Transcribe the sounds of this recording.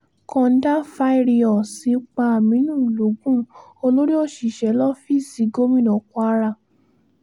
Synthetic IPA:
kɔ̃˧n̩˦da˦fa˦i˦˨ɾi˧ɔ˨si˨˦k͡pa˧a˨mĩ˨˦nũ˦˨lo˨˦ɡũ˦o˧lo˦ɾi˦ɔ˦˨ʃi˨ʃɛ˨˦lɔ˦fi˦˨si˨˦ɡo˦mĩ˦˨nɔ̃˨˦kɔ˦a˦ɾa˧˨

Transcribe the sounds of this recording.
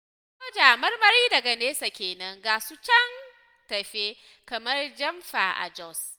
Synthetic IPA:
ɔ˦d͡ʒaː˨mɐ˦rmɐ˨ɾiː˦dɐ˨ɡa˨neː˦sa˨kʲeː˨nɐ˦ŋɡaː˨su˦t͡ʃɐ˦ŋ | tɐ˨ɸeː˦ | kɐ˨mɐ˦rd͡ʒɐ˦mɸa̰˨ʔa̰˨d͡ʒɔ˦˨s

